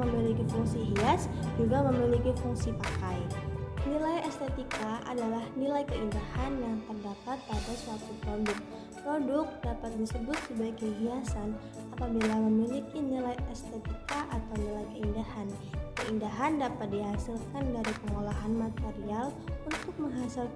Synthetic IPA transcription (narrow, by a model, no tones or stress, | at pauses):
məmilikifuŋsiɦiasd͡ʒuɡaməmilikifuŋsipakajnilajɛst̪ɛt̪ikaʔa̰dalahnilajkəindahanjaŋt̪ərdapat̪̚padasuat̪upɾodʊk̚ | pɾodʊk̚dapat̪̚disəbʊt̪̚səbajkəɦiasan | apabilaməmilikinilajɛst̪ɛt̪ikaʔat̪awnilajkəindahan | kəindaɦandapat̪̚diɦasilkandaɾipəŋolaɦanmat̪eɾialunt̪ʊk̚məŋɦasil